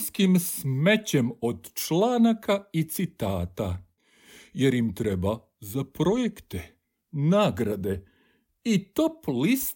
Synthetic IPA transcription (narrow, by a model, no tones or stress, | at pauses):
skimsmet͡ɕemod̪t͡ʃlaːnakait̪sit̪aːt̪a | je̞ɾjimt̪ɾeba | zapɾo̞jekt̪e | naːɡɾad̪e̞ | it̪oplist̪